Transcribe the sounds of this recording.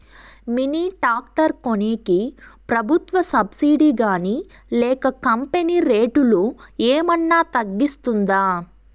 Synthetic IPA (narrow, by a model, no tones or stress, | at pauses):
miniːʈaːk̚ʈɐɾkoneːkipɾɐbʱut̪ʋɐsɐbsiːɖiɡaːniː | lɛːkɐkɐmpeniːɾeːʈulueːmɐnːaːt̪ɐɡːist̪und̪aː